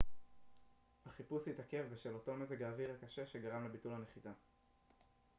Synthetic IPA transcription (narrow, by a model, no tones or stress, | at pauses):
haχipushitake̞vbeʃelo̞to̞mezeɡaːviʁakaʃe̞ʃe̞ɡaʁamle̞bitulhane̞χita